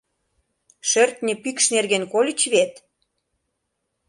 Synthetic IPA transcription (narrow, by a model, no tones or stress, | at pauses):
ʃørt̪nʲepikʃnerɣenkolʲə̆t͡ɕβet̪